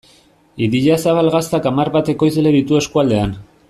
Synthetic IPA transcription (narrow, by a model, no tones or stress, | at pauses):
iðiʎasaβalɣast̪akamarβat̪e̞ko̞jzeleðit̪ue̞skuald̪e̞an